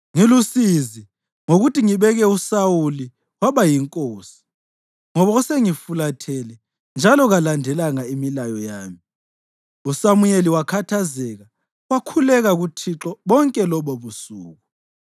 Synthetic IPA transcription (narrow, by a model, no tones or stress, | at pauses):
ŋilusizi | ŋoɣutiŋiβɛɣɛusawuli | waβajiŋkʼoːsi̥ | ŋɔβauseŋifulatʰɛlɛ | nd͡ʒʱalɔɣalandʱɛlaŋaimilajɔjaːmi | usamujeliwakʰatʰazɛɣa | wakʰulɛɣaɣutʰiǁɔβɔŋkʼɛlɔβoβusṵːɣu